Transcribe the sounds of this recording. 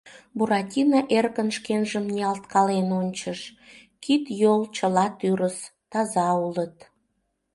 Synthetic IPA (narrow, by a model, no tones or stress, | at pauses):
buɾɑtʲinɑʔerkənʃkenʒəmnʲiɑlt̪kɑlenonʲt͡ɕəʃ | kit̪jolt͡ɕəlɑt̪yɾəst̪ɑzɑulət̪